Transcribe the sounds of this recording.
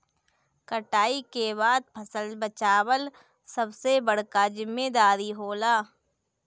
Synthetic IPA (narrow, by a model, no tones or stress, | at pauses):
kəʈaːikeβaːd̪̚pʰəsəlbət͡ʃaːwəl | səbsebəɽ̤kad͡ʒɪmːed̪aːɾiɦoːlaː